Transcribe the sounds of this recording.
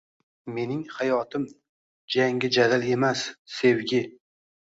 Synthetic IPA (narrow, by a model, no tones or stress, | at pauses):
me̞nɪŋhajɒt̪ʰɪm | d͡ʒaŋɡʲɪd͡ʒad̪ale̞masːe̞wɡʲɪ